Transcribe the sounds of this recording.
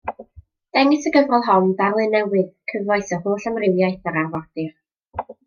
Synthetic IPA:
d̥ɛŋɨsəɡəvrɔlˠɦɔndarlˠɨnɛwɨðkʰəvajsəhoːɬamrɪwjajθəɾarwad̥ɨr

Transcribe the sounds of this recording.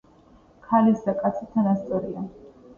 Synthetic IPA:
kʰalisd̪akʼat̪sʰit̪ʰanast̪sʼɔɾia

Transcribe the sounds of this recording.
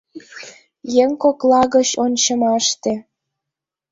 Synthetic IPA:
jeŋkoklɑɣə̆t͡ɕonʲt͡ɕɤmɑʃt̪ĕ

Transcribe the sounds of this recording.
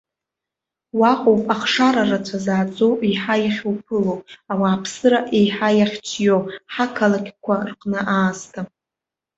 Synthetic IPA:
waqʷʼowpʼaχʂaɾarat͡ʃʷʰazaːd͡zʼowʔiħajaχʲwpʰɨlowawaːpʰsɨɾaʔejħajaχʲt͡ʃʰjowħakʰalakʲkʷʰarqʼnɨʔaːstʰa

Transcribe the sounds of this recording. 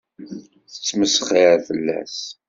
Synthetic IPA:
θə̥t͡sːməsəχiɾfəlːæ̰s

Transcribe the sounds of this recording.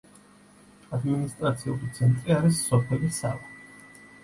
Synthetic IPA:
ad̪minist̪ʼɾat̪sʰiulit̪sʰɛnt̪ʼɾiaɾisːɔpʰɛlisavɛ

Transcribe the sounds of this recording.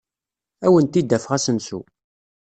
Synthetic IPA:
æwənt̪id̪ːæfʁæsənsṵ

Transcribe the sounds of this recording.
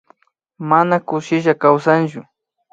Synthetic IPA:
manakʊʃɪʒakawsant͡ʃʊ

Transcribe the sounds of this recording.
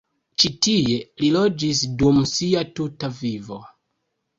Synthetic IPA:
t͡ʃitie̞lilo̞d͡ʒis̬dumsiatutavivo̞

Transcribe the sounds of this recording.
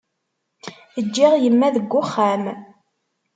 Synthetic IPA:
əd͡ʒːiʁjəmːæðəɡʷːʊχːæm

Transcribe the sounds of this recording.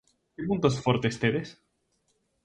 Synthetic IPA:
kepunt̪osfoɾt̪est̪eðes

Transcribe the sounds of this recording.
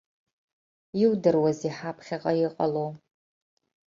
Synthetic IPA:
iwdɨrwaziħapʰχʲaʁʼɐjɪqʼɐlow

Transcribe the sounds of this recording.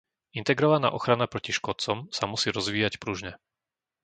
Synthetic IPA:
int̪ɛɡɾɔʋana̰ːʔɔxɾanapɾɔciʃkɔt͡sɔmsamusiːɾɔzʋiːjacpɾuʒɲɛ

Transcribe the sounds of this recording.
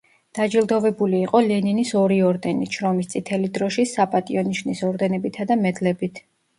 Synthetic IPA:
d̪̥ad͡ʒilˠd̪ɔvɛbuliːqʼɔlɛninisɔɾiɔɾd̪ɛniʃɾɔmist̪sʼit̪ʰɛlid̪ɾɔʃisapʼat̪ʼiɔniʃnisɔɾd̪ɛnɛbit̪ʰad̪amɛd̪lɛbit̪ʰ

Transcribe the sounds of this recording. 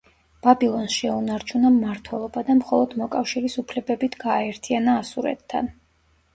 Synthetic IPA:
b̥abilˠɔnsʃɛunaɾt͡ʃʰunamːaɾt̪ʰwɛlˠɔbad̪amχɔlˠɔd̪mɔkʼafʃiɾisupʰlɛbɛbit̪ʰɡaːɛɾt̪ʰianaːsuɾɛ̰t̪ʰːa̰n

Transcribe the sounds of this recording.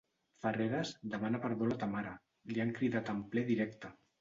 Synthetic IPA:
fəreɾazd̪əmanapəɾβolat̪amaɾa | liaŋkɾiðat̪amplɛðiɾɛkt̪a

